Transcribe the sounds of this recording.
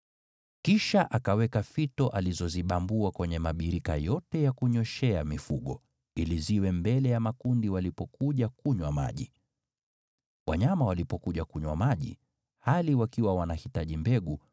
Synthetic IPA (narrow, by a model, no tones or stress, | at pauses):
kiʃaʔakawɛkafitɔʔalizɔziɓambuakwɛɲɛmaɓiɾika̰jɔtɛjakuɲɔʃɛamifuɠɔ | iliziwɛmbɛlɛjamakundiwalipɔkuʄakuɲwama̰ʄi | wʔaɲamawalipɔkuʄakuɲwa̰maʄḭ | haliwakiwawanahitaʄimbɛɠu